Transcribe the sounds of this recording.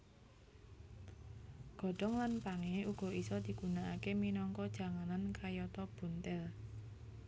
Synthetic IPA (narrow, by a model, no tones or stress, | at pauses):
ɡ̥ɔ̤ɖ̥ɔŋlanpaŋeuɡ̥ɔ̤ʔisɔd̪̥i̤ɡ̥ṳnaʔakeminɔŋkɔd̥ʒ̥a̤ŋanankajɔt̪ɔb̥ṳnt̪ɛl